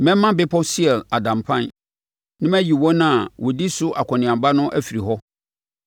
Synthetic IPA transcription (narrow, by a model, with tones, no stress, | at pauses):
mɛ̃˦m˦mã˦bɪ˦pʰɔ˦si˦ɛ˨la˨dã˨mpʰã˦˨n | nɪ̃˦mæ̃˦ji˨wɔ̃˦nã˦˨wɔ˨di˦sʊ˦ʔa˨kʰɔ̃˨nɪ̃˨ã˨mba˦nʊ̃˦ʔæ˦fi˨ɾi˨ɦɔ˦